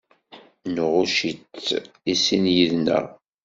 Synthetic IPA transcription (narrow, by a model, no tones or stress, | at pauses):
nʁʊʃit͡sː | isinjiðnə̰ʁ